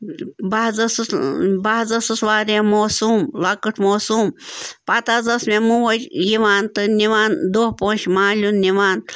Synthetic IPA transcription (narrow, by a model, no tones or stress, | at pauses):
bazɐsbaɦzɐsɨsʋaːɾẽmoːsuːmlɐkɨʈʰmoːsuːmpɐt̪aːzɐsmemuʋɐt͡ʃjiʋaːnt̪ɨniʋaːnd̪oɦpoːt͡ʃmãːlʲunniʋaːn